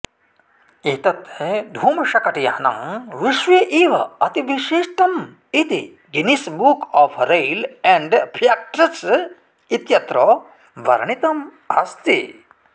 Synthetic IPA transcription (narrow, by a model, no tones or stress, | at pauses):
iːt̪ɐt̪ed̪ʱuːmɐʃɐkɐʈijɐɦɐnɐ̰mʋiʃʋeʔiːʋɐ̰ɐt̪iʋiʃeːʂʈɐm | it̪ḭ | ɡinisbuːkɔːfʰɾejlɛ̃ɳɖpʰjaːk̚ʈɾɐs | it̪jɐt̪ɾɔː | ʋɐ̰ɾɐɳit̪ɐm | aːst̪ḭ